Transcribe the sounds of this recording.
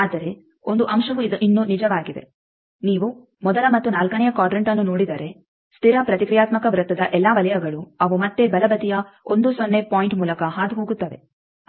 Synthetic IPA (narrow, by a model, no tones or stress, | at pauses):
aːd̪ɐɾe | o̞nd̪uʔɐmʃɐʋuiinːunid͡ʒɐʋaːɡid̪e̞̰ | niːʋu | mɔd̪ɐlɐmɐt̪ːunaːlkɐnɛjɐkaːɖɾeɳʈɐnːunoːɽid̪ɐɾe̞ | st̪ʰiɾɐpɾɐt̪ikɾijaːt̪mɐkɐʋɾɐt̪ːɐd̪ɐʔɛlːaʋɐlɐjɐɡɐɭuɐʋumɐt̪ːe̞bɐlɐbɐt̪ijɐo̞nd̪usonːe̞paːjiɳʈmuːlɐkɐɦaːd̪iɦoːɡut̪ːɐʋe̞̰